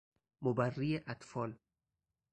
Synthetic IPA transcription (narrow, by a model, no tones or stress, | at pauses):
mobærːijeʔat̪fɒːl